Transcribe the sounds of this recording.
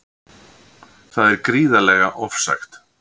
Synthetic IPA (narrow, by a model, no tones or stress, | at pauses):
θaðɛɾkɾiːðalɛɣaʔɔfsa̰xt̪